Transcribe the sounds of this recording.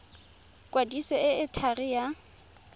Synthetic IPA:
kʼwadisɔɪɪtʰarɪja

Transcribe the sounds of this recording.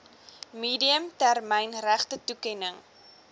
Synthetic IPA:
miːdiəmtærmɛjnræχtətukɛnəŋ

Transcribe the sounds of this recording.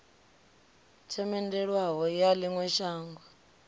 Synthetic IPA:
t͡ʃʰɛmɛndɛɺwaɦɔjaliŋwɛʃaːŋɡɔ

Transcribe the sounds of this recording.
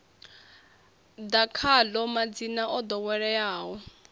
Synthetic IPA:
d̪akʰalɔmad͡zinaʔɔd̪ɔwɛɺɛjaːɦɔ

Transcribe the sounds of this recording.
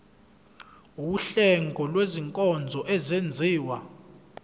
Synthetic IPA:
uuɬɛŋɡʱɔlweziŋkʼɔnd͡zʱɔʔɛzend͡zʱiːwa

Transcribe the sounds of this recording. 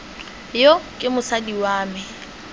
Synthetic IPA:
jokʼɪmʊsadiwaːmɛ

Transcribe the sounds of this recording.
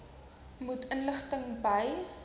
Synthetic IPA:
mutənləχtəŋbəj

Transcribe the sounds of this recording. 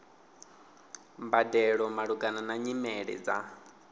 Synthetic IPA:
mbadɛɺɔmaɺuɡananaɲimɛɺɛ̰d͡za

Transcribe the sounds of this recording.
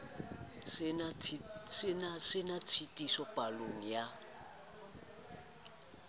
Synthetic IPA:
snasɪnat͡sʰitʼisɔpʼaloŋ̩ja

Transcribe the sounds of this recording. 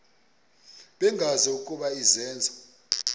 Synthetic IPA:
ɓɛŋɡʱazɔukʼuɓaizɛːnd͡zʱa

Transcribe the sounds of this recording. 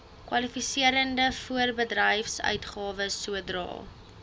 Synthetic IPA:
kwɐlifisiəɾəndəfuərbədrəjfsœ̰ɥtχɑːvəsuədrɑ̰ːlˠ

